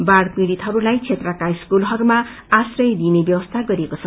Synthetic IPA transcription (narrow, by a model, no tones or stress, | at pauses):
baɽpriɽit̪ɦʌɾulajt͡sʰet̪rʌkaiskulɦʌɾumaː | srʌjd̪inebjʌbʌst̪ʰaɡʌɾiekot͡sʰʌ